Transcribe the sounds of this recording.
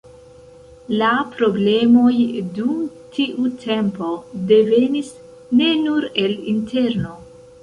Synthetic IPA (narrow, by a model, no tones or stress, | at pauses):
lapɾo̞ble̞mo̞jdum | tʰiʔutʰe̞mpo̞de̞ve̞nis | ne̞nuɾe̞lintʰe̞ɾno̞